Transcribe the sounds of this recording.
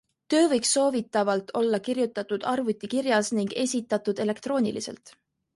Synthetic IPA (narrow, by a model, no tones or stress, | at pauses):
t̪ø̞ːvɤjksːo̞ːvit̪ːˑɑvɑlt̪ːˑʰo̞lːɑkirjut̪ːˑɑt̪ud̪̥ɑrvut̪ʲːˑikirjɑsniŋɡ̥e̞sʲit̪ːˑɑt̪ːud̪̥e̞le̞kt̪ro̞ːnʲilise̞̰lt̪ˑ